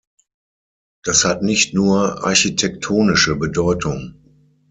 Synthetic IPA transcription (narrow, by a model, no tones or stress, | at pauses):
d̥ashatnɪçtnuːɐʔa̰ɐçitʰɛk̚tʰoːnɪʃəbədɔʏtʰʊŋ